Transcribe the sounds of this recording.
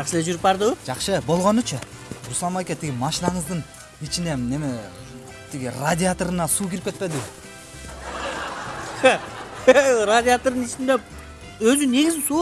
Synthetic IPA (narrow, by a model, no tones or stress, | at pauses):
ʒɑqʃəleʒyɾɪp̚bɑɾd̪əwʒ̥ɑqʃəbo̞lˠʁo̞nʊt͡ʃʰɪ | ɾuslˠɑmajkʲet̪ʰiɡʲɪmɑʃinɑɴəzd̪əɴ | it͡ʃine̞neme | t̪ʰiɡʲɪrad̪ʲɪat̪oɾənɑsuːkʲʰiɾɪp̚kʲe̞t̪̚pe̞d̪ɪ | rad̪ʲɪat̪oɾd̪ənɪt͡ʃɪnd̪e | ɵzɪne̞ɡʲɪzɪsu